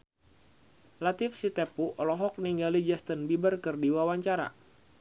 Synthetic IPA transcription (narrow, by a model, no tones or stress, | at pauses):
lat̪ifsit̪epuʔɔlɔɦɔk̚niŋɡalid͡ʒɛst̪ənbibərkɨrdiwawaɲt͡ʃaɾa̰